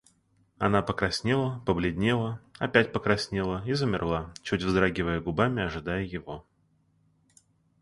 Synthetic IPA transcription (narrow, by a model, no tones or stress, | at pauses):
ɐnapəkɾɐsʲnʲelˠəpəblʲɪdʲnʲelˠəɐpʲætʲpəkɾɐsʲnʲelˠəizəmʲɪrlˠat͡ɕutʲvzd̪ɾaɡʲɪvəjəɡʊbamʲɪɐʐɨd̪ajəjɪvo̞